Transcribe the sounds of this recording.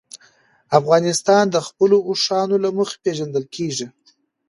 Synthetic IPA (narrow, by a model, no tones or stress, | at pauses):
afɣɑnɪst̪ɑnd̪əxpəlouʂɑnolaməxḁpeʒand̪əlkʰeʐi